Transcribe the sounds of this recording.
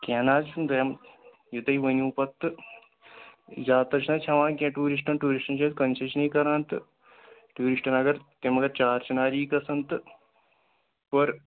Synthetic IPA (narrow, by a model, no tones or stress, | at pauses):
kʲaːnaːd͡ʒund̪ɐjɐm | jut̪ɐiʋɐnʲuːpɐt̪ːɨ | jaːt̪ɐɾt͡ʃʰnɐt͡ʃʰɐʋãːnkʲẽʈuːɾiʂ̬ʈɐnʈuːɾiʂʈɐnt͡ʃɐːt̪kɐnt͡ʃɐʃnɐjkɐɾãːnt̪ɨ | ʈuːɾiʂʈɐnɐɡɐɾt̪emɐɡɐɾt͡ʃaːɾt͡ʃɐnaːɾiːkɐsɐnt̪ɨ | pɐɾ